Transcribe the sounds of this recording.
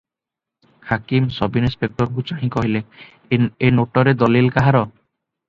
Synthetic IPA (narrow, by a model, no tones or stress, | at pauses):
hakimsɔbinispek̚ʈɔɾk̬ut͡ʃaɽĩkɔɦile | enoʈɔɾed̪ɔlilkaɦaɾɔ